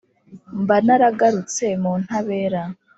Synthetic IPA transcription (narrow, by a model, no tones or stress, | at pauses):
mbanaɾaɡaɾut͡semuːn̥haβe̞ːɾa